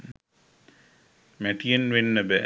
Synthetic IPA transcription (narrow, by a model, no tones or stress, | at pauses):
mæʈijənʋenːəbə